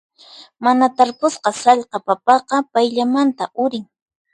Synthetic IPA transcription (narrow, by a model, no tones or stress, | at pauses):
manat̪aɾpʊsqɑsɑʎqɑpapɑqɑpajʎamant̪aʔʊɾɪŋ